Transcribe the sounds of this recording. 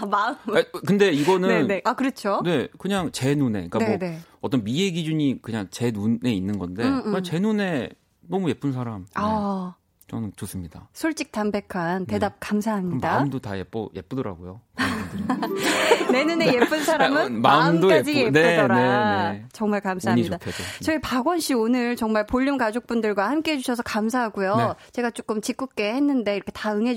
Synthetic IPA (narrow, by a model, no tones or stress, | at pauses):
maɯmkɯnde̞iɡʌnɯnneakɯɾʌt͡ɕʰone̞kɯɲaŋt͡ɕe̞nune̞̰ik͈aoneʌt͈ʌnmije̞ɡid͡ʑuɲikɯɲaŋt͡ɕe̞nue̞inːɯnɡʌnde̞at͡ɕe̞nune̞ | nʌmuje̞p͈uns̬ʰaɾama | t͡ɕʌnɯnt͡ɕos͈ɯmɲidasʰoɭt͡ɕ͈ik̚tanbe̞kʰante̞dap̚kams̬ʰaɦamɲimdaɯmdotajep͈ʌje̞̰p͈ɯdʌɾa̰ɡojo | ne̞nune̞je̞p͈ɯnsʰaɾamɯnmamɯmdokaed͡ʑiɡjeneɯʌɾanet͡ɕʌŋmaɭkamsʰaɦaɲidatʰdot͡ɕʌipaɡwʌnɕ͈ʰionɯɾt͡ɕʌŋmaɭpoʎːumkad͡ʑok̚p͈undɯɭɡwahamk͈e̞ɦed͡ʑuɕʰʌsʰʌkamsʰaɦaɡujoet͡ɕe̞ɡat͡ɕ͈ok͈ɯmt͡ɕik͈uk̚k͈e̞henːɯnde̞iɾʌkʰetaɯŋɦe